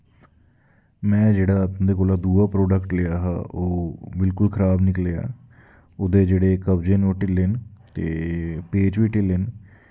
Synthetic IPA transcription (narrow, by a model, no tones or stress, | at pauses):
mɛ̃ːd͡ʒeːɽaːd̪eːkoːlaːd̪uːaːpɾoːɖəkʈlejaːɦaːʔoːbɪlkʊlkʰəɾaːbnɪkleːa̰ː | ʊd̪eːd͡ʒeːɽeːkəbd͡ʒeːnoʈɪlent̪ḛːpeːd͡ʒʋiːʈɪlen